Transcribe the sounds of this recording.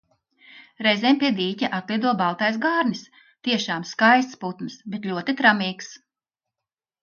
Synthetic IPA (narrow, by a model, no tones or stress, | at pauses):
ɾɛzɛmpʲiɛd̪iːcʲaʔat̪lˠiɛd̪uɔbalwˠt̪ajsɡaːɾnʲis | t̪iɛʃaːmskajst̪sput̪nsbet̪lʲuɔt̪it̪ɾamiːks